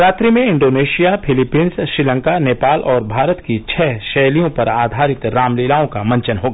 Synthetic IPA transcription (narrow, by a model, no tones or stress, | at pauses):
ɾaːt̪ɾimẽɪ̃ɳɖoːneːʃijapʰɪlɪpiːnsʃɾɪlə̃ŋkaneːpaːlʔɔːɾbʱaːɾət̪kit͡ʃʰɛːʃɛːlijõpɐɾaːd̪ʱaːɾɪt̪ɾaːmliːlaːõkamɐ̃ɲt͡ʃənɦoːɡaː